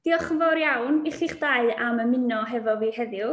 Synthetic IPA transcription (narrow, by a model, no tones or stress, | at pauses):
d̥iɔχəvɔɾjawnɪχiχd̥aɨaməmɪnɔɦɛvɔviːhɛðjʊ